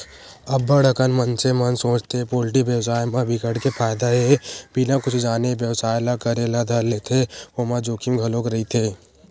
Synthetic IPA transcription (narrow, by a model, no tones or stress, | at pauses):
ɐbːəɽəkənmɐnt͡ʃemɐnsõːt͡ʃt̪epoːlʈibjəʋsaːjmãbʱɪkəɽkepʰaːjd̪aɦebilãkʊt͡ʃʰd͡ʒaːnebjəʋsaːjlakɐɾelad̪ʱalet̪ʰeoːmãd͡ʒoːkimɡʱɐlõkɾɐit̪ʰeː